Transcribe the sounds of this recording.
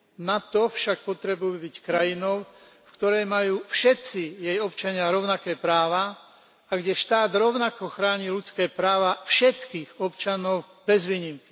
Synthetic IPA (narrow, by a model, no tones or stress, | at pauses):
nat̪ɔfʃak̚pɔt̪ɾɛbujubickɾajinɔʊ | fkt̪ɔɾɛjmajuːfʃɛt̪t͡sijɛjɔpt͡ʃaɲɪaɾɔʊnakɛːpɾaːʋa | aɡɟɛʃt̪aːd̪ɾɔʊnakɔxɾaːɲilut͡skɛːpɾaːʋafʃɛt̪kiːɣɔpt͡ʃanɔʊ | bɛzʋiːɲimki̥